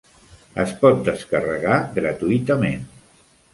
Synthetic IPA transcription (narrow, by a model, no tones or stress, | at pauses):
ə̰spɔt̪̚d̪əskərəɣaɣɾət̪uit̪əmen